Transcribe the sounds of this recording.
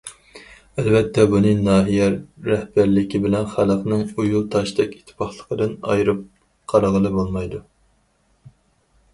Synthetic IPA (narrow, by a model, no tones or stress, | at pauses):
ælbɛt̪ʰːɛbunɨnɑːɦijɛːɛhbæɾlɪkʲibɪlɛnχælɑfnɨŋujulˠt̪ʰɑʃd̪ɛkʲi̥t̪ʰːɪ̥pʰɑχlˠəqəd̪ɨnɑ̰jɾɨp̚ | qʰɑɾɑʁəlˠɨbolˠmɑjd̪u